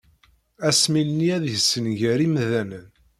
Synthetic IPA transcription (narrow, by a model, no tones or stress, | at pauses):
æsmilniæðʝəsənʝæɾimðænən